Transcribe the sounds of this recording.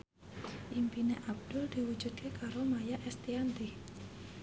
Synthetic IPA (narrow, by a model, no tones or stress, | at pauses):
ʔimpineʔab̚d̪̥ʊld̪̥i̤wu̥d͡ʒud̪̚kekaɾomajaʔɛst̪iant̪ih